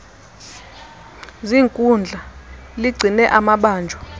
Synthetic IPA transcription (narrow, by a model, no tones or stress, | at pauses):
ziːŋkʼund͡ɮʱa | liɡ͡ǀʱinɛʔamaɓaːnd͡ʒʱɔ